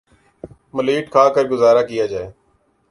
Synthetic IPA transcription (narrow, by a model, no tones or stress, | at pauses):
məliːʈkʰaːkəɾɡʊzaːɾaːkɪjaːd͡ʒaːeː